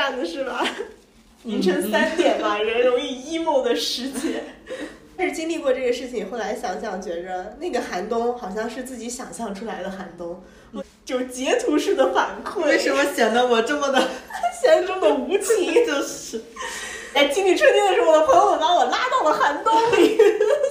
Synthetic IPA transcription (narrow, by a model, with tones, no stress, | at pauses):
a˥˩nd̪ə˩ʂɻ̩˥˩bɐ˩ | mi˧˥ŋʈ͡ʂʰə˧˥ŋsa˥˧˥nt̪jɛ˨˩nba˧˩ɻɛ˧˥nɻʊ˧˥ŋi˥˧i˥mu˥˩ʊd̪ə˩ʂɻ̩˧˥t͡ɕjɛ˥˧ | ʂɻ̩˥˩t͡ɕi˥ŋli˥˧kwɔ˥˧ʈ͡ʂɤ˥˩ɡə˩ʂɻ̩˥˩t͡ɕʰi˨˩ŋxo˥˩ʊla˧˥ɪɕjɑ˨˩ŋɕjɑ˥˩ŋt͡ɕɥɛ˧˥d̪ə˧na˥˩ɡə˩xa˧˥nt̪ʊ˥ŋxɑ˨˩ʊɕjɑ˥˧ŋʂɻ̩˥˧t͡sɹ̩˥˩t͡ɕi˧˥ɕjɑ˨˩ŋɕjɑ˥˩ŋʈ͡ʂʰu˥la˧˥ɪd̪ə˧xa˧˥nt̪ʊ˥ŋ | ɔ˧ | t͡ɕjo˥˩ʊt͡ɕjɛ˧˥t̪ʰu˧˥ʂɻ̩˥˩d̪ə˩fa˨˩nkʰwe˥ʂɻ̩˥˩wɔ˧˥ɕjɑ˨˩ŋd̪ə˧˥wɔ˨˩ʈ͡ʂə˥˩mə˩d̪ə˩ɕjɛ˧˥nʈ͡ʂʊ˥˩d̪ə˩u˧˥t͡ɕʰi˨˥˩t͡ɕo˥˧ʊ˧ | a˥˩ɪt͡ɕi˥ŋli˥˩ʈ͡ʂʰwə˥t̪jɛ˥˧lə˩ʈ͡ʂə˥˩mə˩d̪ə˩pʰɤ˧˥jjo˧˩ʊnɑ˥˩wɔ˨˩la˥t̪ɑ˥˩ʊlə˩xa˧˥nt̪ʊ˥ŋ